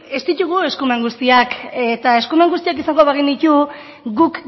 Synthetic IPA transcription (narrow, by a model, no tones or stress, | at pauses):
e̞st̪it̪uɣ̞ue̞skume̞ŋɡust̪iaket̪ae̞skume̞ŋɡust̪iakisaŋɡo̞βeɣ̞ind̪it̪u | ɡuk